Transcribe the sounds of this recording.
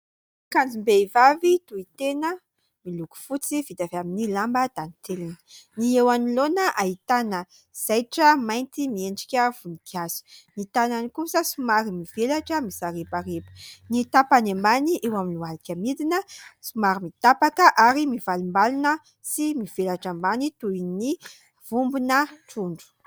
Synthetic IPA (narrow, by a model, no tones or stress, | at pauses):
kand͡zimbeivavit̪uit̪enə | miluku̥fut͡sivit̪avaminilambəd̪̥anit̪elinə̥niewanilonəʔait̪anə | z̥ajʈ͡ʂəmajnt̪imieɳɖ͡ʐi̥kʲəv̥unikʰiazu̥nit̪ananikusəsumaɾimiv̥elaʈ͡ʂəmisaɾepaɾepə̥nit̪apanembaniʔewaminualikʲamid̪inəsumaɾimit̪apakəʔaɾimivalumbalunə | simiv̥elaʈ͡ʂambanit̪ujni | v̥umbunəʈ͡ʂuɳɖ͡ʐu̥